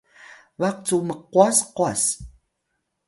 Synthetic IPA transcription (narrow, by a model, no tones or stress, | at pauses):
βaq̚t͡suməqːwasqas